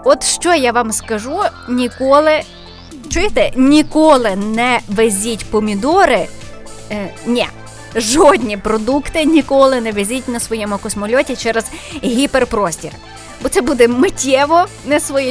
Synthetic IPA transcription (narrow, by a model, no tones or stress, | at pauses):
ɔt̪ʃt͡ʃɔjaʋɑmskɐʒunʲikɔlˠɪ | t͡ʃʊjɪt̪ɛnʲikɔlˠɪnɛʋezʲitʲpɔmʲid̪ɔɾɪ | nʲɛ | ʒɔdʲnʲipɾɔd̪ukt̪ɪnʲikɔlˠɪnɛʋezʲitʲnɐsʋɔjɛmʊkɔsmɔlʲɔtʲit͡ʃɛɾɛzɦʲiperpɾɔsʲtʲir | bɔt̪sɛbud̪ɛmɪtʲɛʋɔ | nɛsʋɔjɛ